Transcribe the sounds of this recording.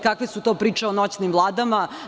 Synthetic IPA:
kakʋesut̪oːpɾiːt͡ʃeonot͡ɕnimvlˠaːd̪ama

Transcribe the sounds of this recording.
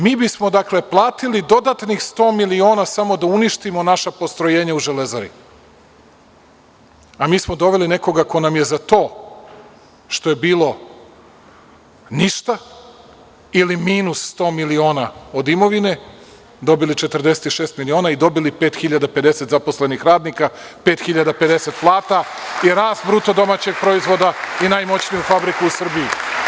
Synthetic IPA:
miːbismo̞d̪akle̞plˠaːt̪ilid̪o̞d̪at̪nixst̪o̞ːmilio̞ːnasamo̞d̪auniʃt̪imo̞naʃapo̞st̪ɾoje̞ːɲauʒelezaɾḭ | amiːsmod̪o̞ʋe̞line̞ko̞ɡako̞namje̞zat̪o̞ː | ʃt̪o̞jebiːlˠo̞ | niʃt̪a | ilimiːnussːt̪o̞ːmilio̞ːnaod̪imo̞ʋine̞ | d̪o̞bilit͡ʃet̪r̩d̪e̞set̪iʃe̞ːst̪milio̞ːnaid̪o̞bilipeːt̪xiʎad̪ape̞d̪e̞set̪zaposlenixɾaːd̪nikapet̪xiʎad̪ape̞d̪e̞se̞t̪plˠaːt̪aiɾaːst̪bɾut̪o̞d̪o̞mat͡ɕe̞ɡ̚pɾo̞izʋo̞d̪ainajmo̞t͡ɕnijufabɾikuusr̩biji

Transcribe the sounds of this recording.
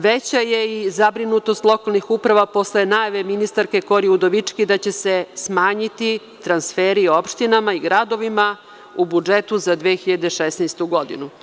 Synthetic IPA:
ʋet͡ɕajeizabɾinut̪o̞st̪lˠo̞kalˠnixuːpɾaʋapo̞slenajaʋeminist̪aɾke̞ko̞ɾiud̪o̞ʋit͡ʂkid̪at͡ɕesesmaːɲit̪i | t̪ɾansfeːɾiopʃt̪inamaiɡɾad̪o̞ʋima | ubud͡ʒet̪uzad̪ʋeːxiʎad̪eʃesnɛjst̪uɡo̞d̪ḭnu

